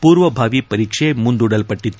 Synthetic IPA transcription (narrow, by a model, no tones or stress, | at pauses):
puːɾʋɐbʱaːʋipɐɾiːkʂemund̪uɽɐlpɐʈːit̪ːu